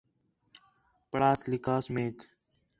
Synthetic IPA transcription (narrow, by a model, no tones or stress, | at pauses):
pəɽaːslɪkaːsmeːk